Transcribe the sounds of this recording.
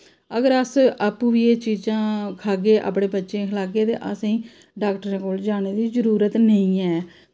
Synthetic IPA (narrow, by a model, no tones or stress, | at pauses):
əɡəɾəsaːpũːʋiːeːt͡ʃiːd͡ʒãːkʰaːɡeːʔa̰ːpɽẽːbətːʃẽːkʰəlaːɡeːt̪ḛːʔəsĩː | ɖaːkʈəɾẽːkoːld͡ʒaːneːd̪iːzəɾuːɾət̪nəĩːɛː